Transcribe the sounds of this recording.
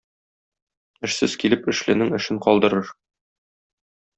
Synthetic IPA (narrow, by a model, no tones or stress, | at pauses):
ɘ̆ʃsɘzkilɘpɘ̆ʃlɘ̆nɘŋɘ̆ʃɘɴqɒlˠd̪ɤ̆ɾɤɾ